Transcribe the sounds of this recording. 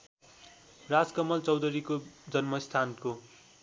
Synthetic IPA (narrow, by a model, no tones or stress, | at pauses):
rad͡zkʌmʌlt͡sʌwd̪ʌɾikod͡zʌnmʌst̪ʰanko